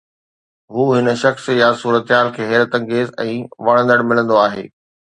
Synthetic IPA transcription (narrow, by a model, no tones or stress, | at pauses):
ɦuːɦɪnəʃɐxsjasuːɾət̪ɪɦaːlkʰeːɦeːɾət̪ɐ̃ŋɡeːzɛ̃ːʋɐɽ̃ə̃nd̪əɽmɪlə̃nd̪oaːɦeː